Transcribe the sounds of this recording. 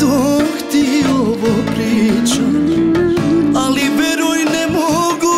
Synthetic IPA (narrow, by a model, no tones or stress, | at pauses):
oxt̪ioʋopɾit͡ʃu | aliʋeɾojnɛmoɡu